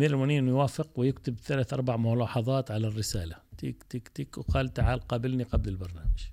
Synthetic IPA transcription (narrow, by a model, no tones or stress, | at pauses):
miːɾɪlmaniːnjwaːfɪqwɪjɪkt̪ɪbθalaːθʔɑɾˤbaʕmʊlɑːħɑðˤɑːt̪ʕalarːɪsaːlat̪ḭːkt̪ikt̪iːkqalt̪ʕalqɑbɪlniqablɪlbɑɾˤnaːmaʒ̥